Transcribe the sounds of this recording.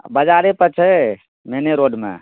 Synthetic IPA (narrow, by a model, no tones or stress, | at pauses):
bəd͡ʒaɾepət͡ʃʰɛ | meneɾoɖmḛ